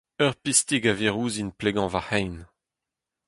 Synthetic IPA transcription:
œʁpist̪iɡaveʁuːzinpleɡɑ̃vahɛjn

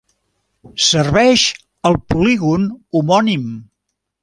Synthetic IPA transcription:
sərβɛʃ | əlˠpuliɣunumɔnim

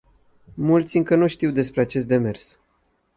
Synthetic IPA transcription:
mult̪sʲɨŋkənuʃt̪iwd̪e̞spɾeat͡ʃe̞s̬t̪d̪e̞me̞rs

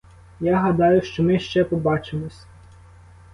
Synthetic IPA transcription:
jaɦɐd̪ɑjʊʃt͡ʃɔmɪʃt͡ʃɛpɔbɑt͡ʃemɔsʲ

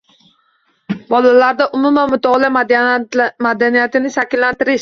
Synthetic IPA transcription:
bɒlalaɾd̪aʔʊmʊmanmʊt̪ʰɒlˠa | mad̪anijat̪ɪnɪʃakʲɪllːant̪ɪɾɪʃ

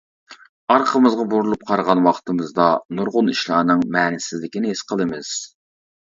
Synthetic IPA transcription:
ɑɾqʰəmɨzʁɑbuɾulˠup̚qʰɑɾʁɑnwɑχʰt̪ʰɨmɨzd̪ɑnuɾʁʊniʃlˠɑːnɨŋmɛːnɪsɪzlɪkʲinɪɦesqʰəlˠɨmɨz̥

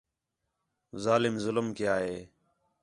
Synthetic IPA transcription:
zaːlɪmzʊləmkɪjaːɦeː

